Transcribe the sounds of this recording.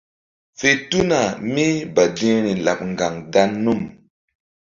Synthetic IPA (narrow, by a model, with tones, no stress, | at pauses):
fe˦tu˦na˨mi˦ba˨dĩ˦ɾi˨la̰˨p̚ŋɡa˨ŋda˦nːu˦˨m